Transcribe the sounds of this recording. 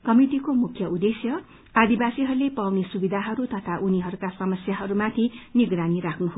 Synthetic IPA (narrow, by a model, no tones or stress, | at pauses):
kʌmiʈikomukʰjʌud̪esjʌ | ad̪ibasiɦʌɾulepawnesubid̪ʱaɦʌɾut̪ʌt̪ʰaʔuniɦʌɾukasʌmʌsjaɦʌɾumat̪ʰiniɡɾaniɾakʰnuɦo